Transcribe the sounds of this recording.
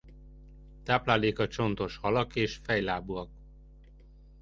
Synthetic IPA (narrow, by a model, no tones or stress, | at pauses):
t̪aːplaːleːkɒt͡ʃo̞nt̪o̞ʃhɒlɒkeːʃfɛjlaːbuɒk